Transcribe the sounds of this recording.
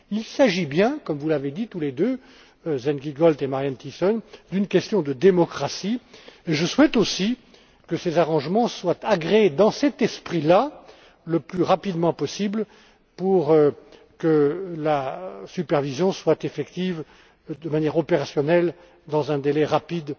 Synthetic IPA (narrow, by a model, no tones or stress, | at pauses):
ilsaʒibjɛ̃kɔmvulaved̪it̪uled̪ø | zɛnɡiɡɔlt̪emaʁjant̪isɔnd̪ynkʲɛst̪jɔ̃d̪əd̪emɔkχasieʒəswɛt̪osi | kəsezaʁɑ̃ʒmɑ̃swat̪aɡʁed̪ɑ̃sɛt̪ɛspχila | ləplyʁapid̪mɑ̃pɔsibl | puʁ | kəlasypɛʁvizjɔ̃swat̪efɛkt̪iv | d̪əmanjɛʁɔpeʁasjɔnɛl | d̪ɑ̃zɛ̃d̪elɛʁapid̪